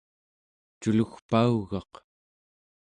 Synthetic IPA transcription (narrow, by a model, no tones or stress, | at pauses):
t͡ʃuluxpauɣɑq